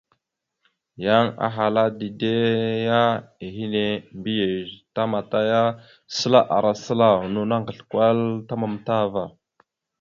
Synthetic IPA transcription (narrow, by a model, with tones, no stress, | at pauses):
ja˦ŋa̰˨ɦa˨la˦di˨de˦ja˦e˨ɦi˦ne˦mbi˦je˨ʒta˦ma˨ta˦ja˦ | sə˦la˦ʔa˨ɾa˨sə˦la˦nu˦na˦ŋɡə˨ɬkwʷa˦lta˦ma˨mta˦va˨